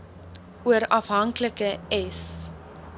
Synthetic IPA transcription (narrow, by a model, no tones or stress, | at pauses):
uəɾɐfɦɐŋkləkəɛs